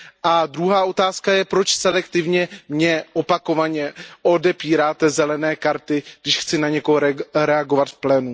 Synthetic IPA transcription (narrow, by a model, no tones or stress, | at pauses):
ʔad̪ɾuɦaːʔo̞t̪aːskajɛpɾot͡ʃsɛlɛkt̪ɪvɲɛmɲɛʔopako̞vaɲɛʔo̞dɛpiːɾaːt̪ɛzɛlɛnɛːkaɾt̪ɪɡdɪʃxt͡sɪnaɲɛkoɦoɾɛaɡo̞vat̪fplɛːnu